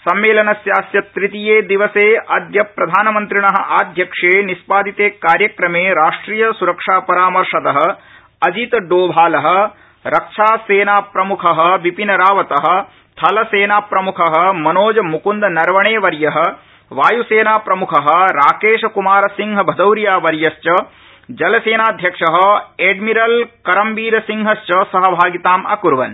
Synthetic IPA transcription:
sɐmːeːlɐnɐsjaːsjɐt̪ɾit̪ijeːd̪iʋɐseːɐd̪jɐpɾɐd̪ʱaːnɐmɐnt̪ɾiɳɐɦɐ̆ʔaːd̪ʱjɐkʂeːnispaːd̪it̪eːkaːɾjɐkɾɐmeːɾaːʂʈɾiːjɐsuɾɐkʂaːpɐɾaːmɐɾʂɐt̪ɐɦɐ̆ | ɐd͡ʒit̪ɐɖoːbʱaːlɐɦɐ̆ | ɾɐkʂaːseːnaːpɾɐmukʰɐɦɐ̆ʋipinɐɾaːʋɐt̪ɐɦɐ̆ | t̪ʰɐlɐseːnaːpɾɐmukʰɐɦɐ̆mɐnoːd͡ʒɐmukund̪ɐnɐɾʋɐɳeːʋɐɾjɐɦɐ̆ | ʋaːjuseːnaːpɾɐmukʰɐɦɐ̆ɾaːkeːʃɐkumaːɾɐsiŋɦɐbʱɐd̪ɐwɾjaːʋɐɾjɐʃt͡ʃɐ | d͡ʒɐlɐseːnaːd̪ʱjɐkʂɐɦɐ̆eɖmiɾɐlkɐɾɐmbiːɾɐsiŋɦɐʃt͡ʃɐsɐɦɐbʱaːɡit̪aːmɐ̰kuɾʋɐn

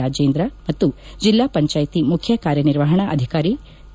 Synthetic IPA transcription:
aːd͡ʒeːnd̪ɾɐmɐt̪ːud͡ʒilːaːpɐɲt͡ʃaːjt̪imukʰjɐkaːɾjɐniɾʋɐɦɐɳɐʔɐd̪ʱikaːɾi

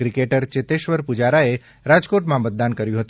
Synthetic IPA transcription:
ɾikeʈəɾt͡ʃet̪eʃʋəɾpud͡ʒaɾae | ɾad͡ʒkoʈmãmət̪̚d̪ankəɾjũɦət̪

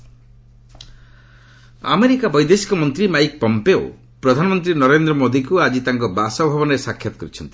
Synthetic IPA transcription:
a̰meɾikabɔjd̪esi̥kɔmɔnt̪ɾimajk̚pɔmpeo̰ | pɾɔd̪ʱanɔmɔnt̪ɾinɔɾend̪ɾɔmod̪ikuad͡ʒit̪aŋkɔbasɔbʱabɔnɔɾesakʰːjɔt̪ɔ̥kɔɾit͡ʃʰɔnt̪i

